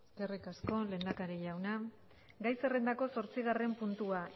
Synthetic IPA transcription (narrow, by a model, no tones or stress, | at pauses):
eske̞rikasko̞le̞ːnd̪akaɾeʝawna | ɡajse̞re̞nd̪ako̞so̞ɾt͡siɣ̞are̞mpunt̪ua